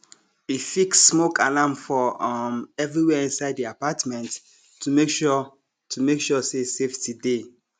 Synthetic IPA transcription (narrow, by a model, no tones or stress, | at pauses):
ifiksːmokʰalãmfɔmɛvɹiwɛĩnsaɪddiapatmɛ̃nt | tʰːumekʃɔ | tʰumekʃɔseseftide